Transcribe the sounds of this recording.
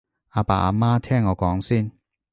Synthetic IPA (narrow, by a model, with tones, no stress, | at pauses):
aː˧pa̰ː˨ʔa̰˧maː˥t̪ʰɛː˥˩ŋːɔː˨˧kɔː˨˥ŋsiː˥˩n